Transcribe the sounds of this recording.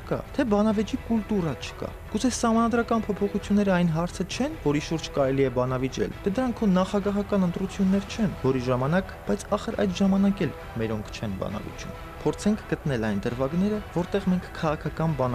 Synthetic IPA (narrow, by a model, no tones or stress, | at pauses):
kɑ̰t̪ʰɛbɑnɑvɛt͡ʃikult̪uɾɑt͡ʃʰə̥kɑ̰ | ɡ̥ut͡sʰɛsɑhmɑnɑd̪ɾɑkɑnpʰɔpʰɔχut͡sʰjunːɛɾəɑjnɦɑɾt͡sʰət͡ʃʰɛnvɔɾiʃuɾd͡ʒkɑɾɛliɛbɑnɑvit͡ʃɛ̰lt̪ʰɛd̪əɾɑŋkʰɔnːɑχɑɡɑɦɑkɑnənt̪ɾut͡sʰjunːɛɾt͡ʃʰɛnvɔɾiʒɑmɑnɑk | b̥ɑjt͡sʰɑχəɾʔɑ̰jd̪ʒɑmɑnɑkɛl | mɛɾɔŋkʰt͡ʃʰɛnbɑ̰nɑ̰vḭt͡ʃṵn | pʰɔɾt͡sʰɛŋkʰɡət̪nɛlɑjnd̪əɾvɑɡnɛɾəvɔɾt̪ɛʁmɛŋkʰːɑʁɑkʰɑkɑnbɑn